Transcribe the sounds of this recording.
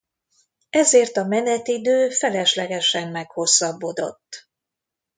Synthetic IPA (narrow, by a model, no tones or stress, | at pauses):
ɛzeːrt̪ɒmɛnɛt̪id̪øːfɛlɛʃlɛɡɛʃɛmːɛkho̞sːɒbːo̞d̪o̞̰t̪ː